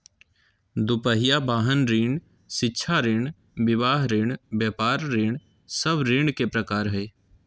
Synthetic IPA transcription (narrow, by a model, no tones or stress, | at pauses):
d̪ʊpəɦɪjabaːɦənɾiːɳ | ʃɪtːʃʰaɾiːɳ | ʋɪʋaːɦɾeːɽbjɛːpaːɾːeːɳ | səbɾeːɳkepɾəkaːɾɦɛː